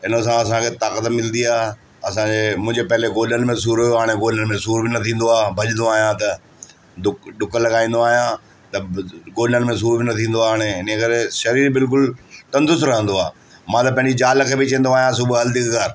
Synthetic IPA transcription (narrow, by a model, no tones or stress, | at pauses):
ɦɪnəsãɐs̬ãkʰet̪aːkət̪mɪlnd̪iaːɦ | ɐsãːd͡ʑeːmʊ̃ɦɪ̃ɲd͡ʑepɐɦɪlekoːlənɪ̆mẽs̬uːɾʊjoaːɽ̃eɡoːlənɪ̆mẽsuːɾbɪnɐt̪ʰĩːn̆d̪oaːbʱɐʄə̃nd̪oaːɦijãt̪ɐ | ɗʊkɗʊkəlɐɠaːĩːn̆d̪oaːɦijã | t̪ɐɡoːlənɪ̆mẽs̬uːɾbɪnɐt̪ʰĩːn̆d̪oaːɦaɽ̃eɪnəkɐɾeʃɐɾiːɾbɪlk̬ʊlt̪ɐ̃nd̪ʊs̬ɾɐɦə̃nd̪oaː | mãːt̪ɐpɐ̃ɦɪ̃ɲd͡ʑid͡ʑaːlkʰeːbɪt͡ɕɐ̃ːnd̪oaːɦijãs̬ʊbɦɐld̪ikɡaːɾ